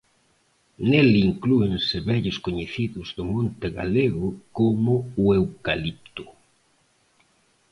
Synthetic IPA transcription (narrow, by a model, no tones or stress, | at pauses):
neliŋkluensɪβɛʎʊskoɲeθiðʊzðʊmõnt̪eɣa̰leɣʊkomʊːewkalip̚t̪ʊ̥